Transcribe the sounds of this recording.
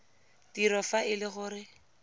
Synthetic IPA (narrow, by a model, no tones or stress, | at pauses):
tiɾɔfaʔɪlɪχʊɾɪ